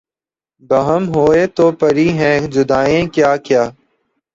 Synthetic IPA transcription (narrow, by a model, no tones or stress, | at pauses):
bəɦəmɦoːeːt̪oːpəɾiːɦɛ̃ːd͡ʒʊd̪aːẽːkjaːkjaː